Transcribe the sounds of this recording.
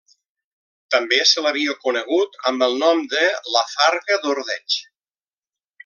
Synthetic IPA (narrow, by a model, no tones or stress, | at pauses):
t̪əmbesələβiəkunəɣ̞ut̪əmbəlˠnɔmd̪ələfaɾɣəðuɾðɛt͡ʃ